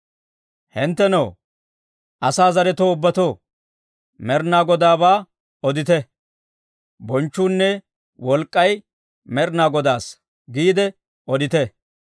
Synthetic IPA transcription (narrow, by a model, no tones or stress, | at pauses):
hɪnt̪ːɛnɐ | ʔɐsaːzɐɾɛt̪oːʊbːɐt̪oː | mɛɾnaːɡɔd̪aːbaː | ɔd̪ɪt̪ɛ | bɔnt͡ʃːuːnːɛ | wɔlkʼːɐj | mɛɾnaːɡɔd̪aːs | ɡiːd̪ɛ | ɔd̪ɪt̪ɛ